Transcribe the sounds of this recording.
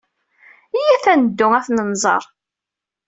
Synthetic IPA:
ijæθænəd̪ːʊæθnənzˤə̰ɾˤ

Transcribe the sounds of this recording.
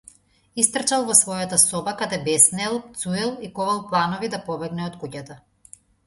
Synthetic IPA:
ist̪r̩t͡ʃalˠvɔsvɔjat̪asɔbakad̪ɛbɛsnɛlˠt̪suɛlˠikɔvalˠplˠanɔvid̪apɔbɛɡnɛɔt̪kucat̪a

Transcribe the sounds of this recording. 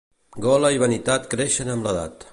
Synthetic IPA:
ɡɔlaiβanit̪at̪kɾeʃenamlaða̰t̪

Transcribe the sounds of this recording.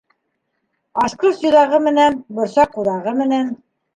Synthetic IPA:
ɑʃqɤsɵ̆jðɑʁɤmɘ̆nænbŏɾsɑqːuðɑʁɤmɘ̆næn

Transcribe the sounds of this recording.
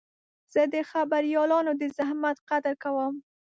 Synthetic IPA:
z̥əd̪əxabaɾjɑlɑnod̪əzahmat̪qad̪əɾkawəm

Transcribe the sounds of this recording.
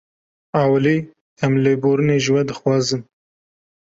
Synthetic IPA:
ɑːwliː | hɐmleboːɾɨneːʒwɐd̪ɨxwɑːzɨn

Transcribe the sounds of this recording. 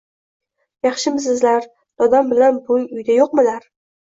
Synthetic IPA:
jɑχʃɪms̬ɪzlaɾ | d̪̥ɒd̪ambɪlanbʊjʊjd̪ajoqmɪlaɾ

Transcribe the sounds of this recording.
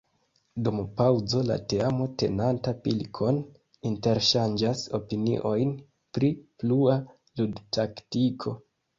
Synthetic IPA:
dumpawzo̞la̰teamo̞te̞̰nantapilkʰo̞n | inte̞ɾʃand͡ʒaso̞̰pinḭʔo̞jn | pɾiplua | ludtʰaktikʰo̞

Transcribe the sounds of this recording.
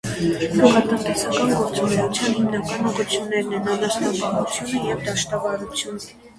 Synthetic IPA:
d̪uʁɑt̪ənt̪ɛsɑkɑnɡɔɾt͡sumɛɾut͡sʰjɑnhimnɑkɑnuʁut͡sʰjunːɛɾnɛnɑnɑsnɑbɑhut͡sʰjunəjɛvd̪ɑʃt̪ɑvɑɾut͡sʰjun

